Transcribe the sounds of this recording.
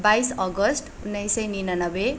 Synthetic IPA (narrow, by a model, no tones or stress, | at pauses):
bajsʌɡʌsʈunːʌjsʌjninanʌbe